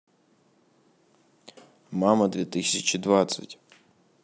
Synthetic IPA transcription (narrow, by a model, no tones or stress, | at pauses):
mɑmɐd̪ʋʲit̪ɪsʲɐt͡ʃid̪ʋɑt̪sɐ̰tʲ